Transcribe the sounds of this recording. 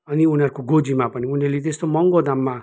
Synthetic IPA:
ʌniunʌɾkoɡod͡zimapʌniunʌrlet̪est̪omʌŋɡod̪amːa

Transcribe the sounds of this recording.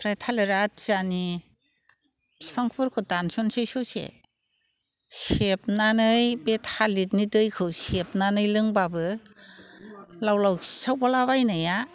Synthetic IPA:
pʰɾajtʰaleɾat̚zani | bsi̥pʰaŋkʰpɯɾkʰɯdansɔnsejsɔsḛ | sep̚nanɯjbetʰalit̚nidɯjkʰɯwsep̚nanɯjlɯŋbabɯ | lawlawsawbalaβajnaja

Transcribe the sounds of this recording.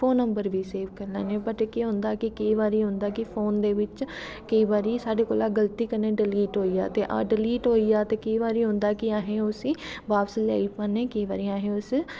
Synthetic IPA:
fʰoːnːəmbəɾʋiːseːʋkəɾlɛ̰ːneːbəʈekɪɦʊ̃nd̪aːkɪkəiːʋaːɾiːɦʊ̃nd̪aːkɪpʰoːnd̪eːʋɪt͡ʃ | kəiːʋaːɾiːsaːɖeːkoːlaːɡəlt̪iːkəneːɖɪliːʈɦoːiːa̰ːt̪eːʔa̰ːɖɪliːʈɦoːiːaːt̪eːkəiːʋaːɾiːɦʊ̃nd̪aːkɪaːɦẽːʊsiːʋaːpsla̰ːipaːnːeːkəiːʋaːɾiːaːɦẽːʊs

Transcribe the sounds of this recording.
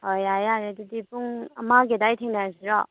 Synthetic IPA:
hojajaɾedidipuŋɐ̰maɡedajtʰeŋnasiɾɔ

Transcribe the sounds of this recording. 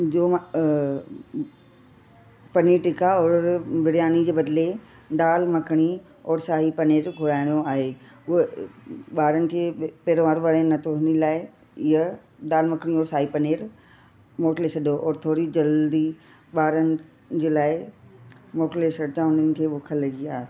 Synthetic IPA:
d͡ʑoː | pɐniːɾʈɪkaɔːɾʋɪɾjaːnid͡ʑeːbɐd̪le | ɗaːlmɐkʰɽ̃i | ɔːɾsaːɦipɐneːɾɡʱʊɽaːɪ̃d̪oaːɦeː | ʊɦeɓaːɾənɪ̆kʰeːpɛːɾʋaːɾʋɐɾnɐt̪ʰoɦɪnilaːɪ | ɪɦə | ɗaːlmɐkɽ̃iɔːɾsaːɦipɐneːɾ | moːʈleːsɐɗoʔɔːɾt̪ʰoːɾid͡ʑɐld̪i | ɓaːɾənɪ̆ | d͡ʑeːlaːɪ | moːʈleːsɐɽt͡ɕãʊnənɪ̆kʰeːɓʊkʰəlɐɡiaːɦe

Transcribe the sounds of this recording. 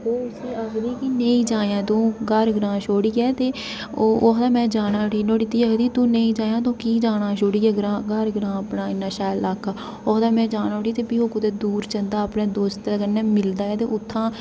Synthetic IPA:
oːʊsiːəɡd̪iːkiːneĩːd͡ʒaːjãːt̪õːɡəɾɡɾãːʃoːɽiːɛːt̪eː | oːoːɦd̪aːmɛ̃ːd͡ʒaːnaːʈiːnoːɽiːt̪iːəɡd̪iːt̪ũːneĩːd͡ʒaːjãːt̪õːkiːd͡ʒaːɽaːʃoːɽiːɛːɡɾãːɡəɾɡəɾãːəpnaːɪnːãːʃaːjlaːkaː | oːd̪aːmɛ̃ːd͡ʒaːnːoːʈiːt̪eːpiːoːkʊd̪eːd̪uːɾt͡ʃənd̪aːəpnɛːd̪oːst̪aːkənːɛːmɪld̪aːɛːt̪eːʔʊt̪ʰːãː

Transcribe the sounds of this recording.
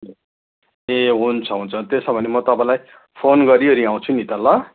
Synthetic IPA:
eɦunt͡sʰʌɦunt͡sʰʌt̪esʌbʱʌnemʌt̪ʌpãj̃laj | pʰonɡʌɾiʌɾiãw̃t͡sʰunit̪ʌlːʌ

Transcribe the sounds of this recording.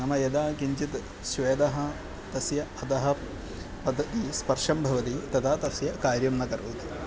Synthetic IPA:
nɐmɐjɐd̪aːkiɲt͡ʃit̪ | ʃʋeːd̪ɐɦɐ̆ | t̪ɐsjɐɐt̪ɐɦɐ | pɐd̪ʱːɐt̪ispɐɾʂɐmbʱɐʋɐt̪it̪ɐt̪ʰaːt̪ɐsjɐkaːɾjɐmnɐkɐɾoːt̪i̥

